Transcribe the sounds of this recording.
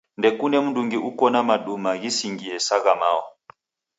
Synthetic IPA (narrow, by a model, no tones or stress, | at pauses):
ndɛkunɛm̩nduŋɡiʔukɔnamaɗumaɣisiŋɡiɛsaɣama̰ɔ